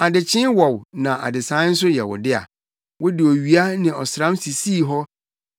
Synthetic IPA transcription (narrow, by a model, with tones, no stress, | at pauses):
a˨dɪ˨t͡ɕʰɪ̃˦nwɔ˨wnã˨ʔa˨dɪ˨sã˦n̩˦s̬ʊ˦jɛ˨wʊ̰˨dɪ˦a̰˨ | wʊ˦dɪ˨ɔ˨ɥi˨˦a˦nɪ̃˨ɔ˨sɾã˦msi˨si˦˨ɦɔ˦